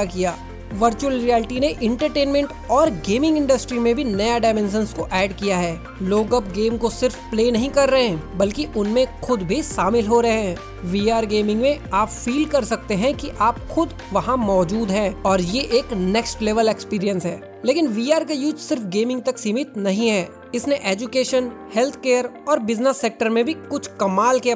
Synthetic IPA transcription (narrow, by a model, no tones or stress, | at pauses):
kiaː | ʋɐɾt͡ʃuəlɾiɛːlʈineʔɪ̃ɳʈəɾʈeːnmɛ̃ɳʈ | ɔːɾɡeːmɪ̃ŋɡɪ̃ɳɖəsʈɾimẽbʱinɐjaɖaɪmɛ̃ns̬ə̃nskoʔɛːɖkijaɦɛː | loːɡɐpɡeːmkosɪɾfpleːnɐɦĩkɐɾːɐɦeɛ̃bɐlkiʔʊnmẽxʊd̪bʱiʃaːmɪlɦoɾɐɦeɦɛ̃ː | ʋiːaːɾɡeːmɪ̃ŋɡmẽaːpfiːlkɐɾsɐk̚t̪eɦɛ̃kiʔaːpxʊd̪ | ʋɐɦãmɔːd͡ʒuːd̪ɦɛ̃ːɔːɾjeʔeːknɛksʈleːʋəlekspiːɾijə̃nsɦɛː | leːkɪnʋiːaːɾkajʊd͡ʒsɪɾfɡeːmɪ̃ŋɡ̚t̪ɐksimɪt̪nɐɦĩɦɛː | ɪsneʔeːd͡ʒʊkeːʃənhɛlt̪ʰkeːəɾɔːɾbɪznəsːeːk̚ʈəɾmẽbʱikʊt͡ʃʰkɐmaːlke